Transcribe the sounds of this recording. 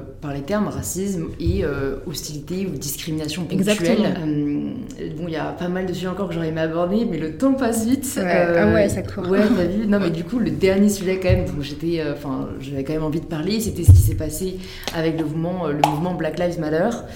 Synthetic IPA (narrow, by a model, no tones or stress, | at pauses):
paʁlet̪ɛʁmʁasismeøɔst̪ilit̪eud̪iskχiminasjɔ̃pɔkɡzkzak̪tytɛlm | bɔ̃ijapamald̪əsyʒɛɑ̃kɔʁkəʒɔʁɛmabɔʁd̪emɛlət̪ɑ̃pasvit̪øwɛsakwɛʁɛvynɔ̃mɛd̪ykuləd̪ɛʁnjesyʒɛkɑ̃mɛmd̪ɔ̃kʒet̪ɛøɑ̃fɛ̃ʒavɛkɑ̃mɛmɑ̃vid̪əpaʁleset̪ɛsə̥kʲi̥sɛpase | avɛkləvmɑ̃øləmuvmɑ̃blaklajvmalœːʁ